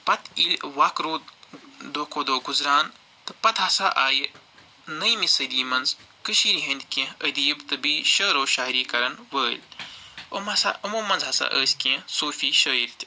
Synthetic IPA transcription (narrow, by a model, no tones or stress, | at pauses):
pɐt̪ilʲʋaːkɾoːd̪d̪oːkoːd̪oːɡuzɾaːn | t̪ɨpɐt̪ɦɐsaːʔaːji | nɐjmisɐd̪iːmɐnz | kɨʃiːɾiɦɐnʲd̪ʲkẽəd̪iːbt̪ɨbiːʃəːɾoːʃaːiɾiːkɐɾɐnʋəːlʲo̰mɐsa̰ːʔɐmoːmɐnzɦɐsa̰ʔəːsʲkẽsoːfiːʃəːiɾʲt̪ʲi̥